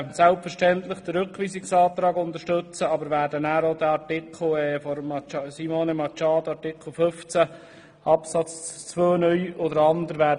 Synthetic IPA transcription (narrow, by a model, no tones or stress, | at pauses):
sælpfəɾʃtɛnt̪lɪχd̥̪əɾɵkʋiːsɪksɑːt̪ɾɑːɡʊnt̪əʃtɵt͡səɑbəɾʋæːɾdənæːɾod̪æɑɾtɪkʰl̩ɛːfɔɾmɑt͡ʃsimonɛmɑt͡ʃɑːd̪ɑtɪkʰl̩ˠføft͡sæ | ɑpsɑt͡st͡sʋøːnœʏɔd̪əɾɑnd̪əɾʋæː